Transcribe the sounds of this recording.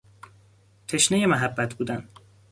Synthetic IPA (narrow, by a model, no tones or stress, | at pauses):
t̪ʰeʃnejemæɦæbːæt̪ʰbuːd̪æn